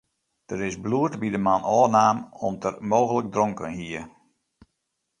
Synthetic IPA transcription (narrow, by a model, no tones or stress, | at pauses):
d̥əɾɪsbluətbidəmanɔːnaːmɔmtərmoːɣələk̚drɔŋkənɦiə